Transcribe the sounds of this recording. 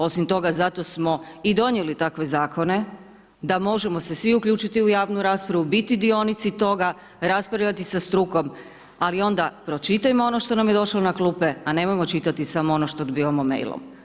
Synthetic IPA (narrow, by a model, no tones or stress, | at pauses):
o̞simt̪o̞ɡazat̪o̞smo̞id̪o̞njelit̪akʋe̞zaːko̞ne̞ | d̪amo̞ʒemo̞se̞sʋiukʎʲuːt͡ʃit̪iujaːʋnuɾaːspɾaʋubit̪id̪io̞nit̪sit̪o̞ɡa | ɾaspɾaʋʎʲat̪isast̪ɾuko̞m | alio̞nd̪apɾo̞t͡ʃit̪ajmoo̞noʃt̪o̞namje̞d̪o̞ʃlonaklˠupeane̞mo̞jmo̞t͡ʃit̪at̪isamoo̞noʃt̪od̪biʋamomḛjlˠo̰m